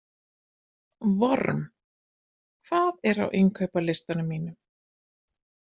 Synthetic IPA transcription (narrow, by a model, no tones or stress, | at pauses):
vɔɾm | kʰv̥aːðɛɾa̰wʔɪŋkʰœɥpalɪst̪anʏmiːnʏm